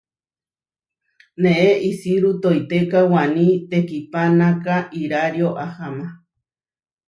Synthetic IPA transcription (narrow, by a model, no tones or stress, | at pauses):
nẽʔeʔisiɾut̪ojt̪ekawanĩt̪ekipanãkaʔiɾaɾjoʔahama